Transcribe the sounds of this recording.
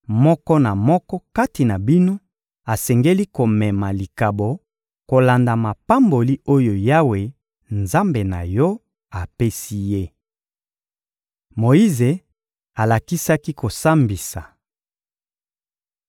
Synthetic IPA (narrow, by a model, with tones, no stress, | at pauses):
mɔ˦kɔ˦na˨mɔ˦kɔ˦ka˦ti˨na˨bi˦no˦ | a˨sɛ˨ŋɡe˦li˦ko˨mɛ˨ma˨li˨ka˨bo˨ | ko˨la˨nda˨ma˨pa˦mbo˨li˦o˦jo˨ja˦we˨ | nza˦mbe˨na̰˨jɔ˦ | a˨pe˦si˦je˦ | mo˨i˦ze˨ | a˨la˨ki˦sa˦ki˦ko˨sa˦mbi˨sa˨